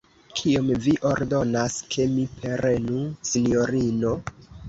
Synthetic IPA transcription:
kʰiomviʔo̞ɾdo̞naskʰe̞mipe̞ɾenusino̞ɾino̞

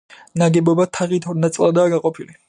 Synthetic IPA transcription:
naɡɛbɔbat̪ʰaʁit̪ʰɔnat̪sʼlˠad̪aːɡaqʼɔpʰili

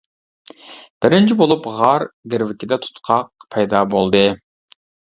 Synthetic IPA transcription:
b̥ɪɾɪnt͡ʃʰibolˠupʁɑɾɡʲɪɾwɪkʲid̪ɛt̪ʰu̥t̪qʰɑq̚pʰɛjd̪ɑbolˠd̪ɨ

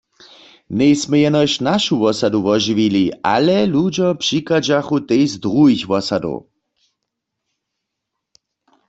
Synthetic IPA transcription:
nɛjsmɛjɛnɔjʃnaʃuʋɔsad̪uʋɔʒiʋiliʔa̰lɛlud͡ʑɔpʂikad͡ʒaxut̪ejzd̪ʁuɦixʋɔsad̪o̰w

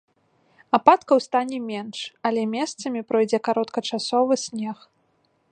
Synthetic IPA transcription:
apat̪kɐwst̪anʲɛmʲɛnʂɐlʲɛmʲɛst̪sɐmʲipɾɔjd͡zʲɛkaɾɔt̪kɐt͡ʂasɔvɨsʲnʲɛx

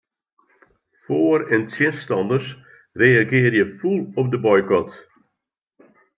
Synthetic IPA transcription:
foːəɾəntʰjɪnstɑndərs | reːaɡɪːrjəfulˠɔp̚dəbɔjkɔt

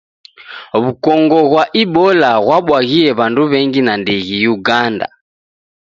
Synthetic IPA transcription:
βukɔŋɡɔɣwaʔiɓɔlaɣwaɓwaɣiɛβanduβɛŋɡinandɛɣijuɡanda̰

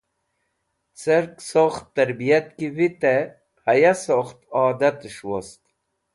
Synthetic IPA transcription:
t͡səɾksoxt̪ːɐɾbijɐt̪kivit̪e | pʰɐjasoχt̪ɑːd̪ɐt̪ʂwost̪

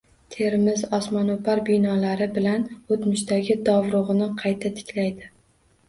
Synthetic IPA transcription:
t̪ʰe̞ɾmɪzɒsmanopaɾbɪjnɒlaɾɪbɪlanot̪mʊʃt̪aɡʲɪd̪ɒvɾʊʁɨnɪqʰɑjt̪ʰat̪ʰɪ̥kʲlajd̪ɪ

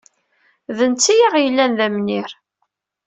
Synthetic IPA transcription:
ðənt͡sːijiʁjəlːænðæmniɾ

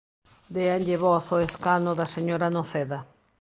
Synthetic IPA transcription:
d̪eanɟeβosoeskanoðaseɲoɾanõθeða

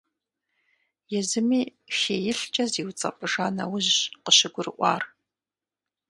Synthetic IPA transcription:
jɛzɨmiːxeːjɪɬt͡ʃʼɐziːwt͡sʼɐ̰pʼɨʒaːnɐ̰wʊʑqəɕɪɡʷʊrɨʔʷɑ̰ːr

